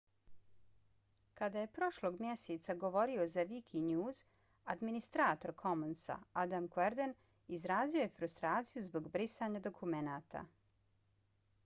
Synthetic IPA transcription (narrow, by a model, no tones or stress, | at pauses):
kad̪aje̞pɾo̞ʃlˠo̞ːɡmjeset̪saɡo̞ʋo̞ɾio̞zaʋikʰiɲjuːz | ad̪minist̪ɾaːt̪o̞ɾkʰo̞monsa̰ad̪amkweɾd̪en | izɾaːzio̞jefɾust̪ɾaːt̪sijuzbo̞ɡbɾisaɲad̪o̞kʰumenaːt̪a̰